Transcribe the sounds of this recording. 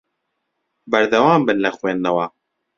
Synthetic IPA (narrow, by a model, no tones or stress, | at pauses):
bɐɾd̪ɐwaːmbɨnlɐxweːnd̪ɐwɐ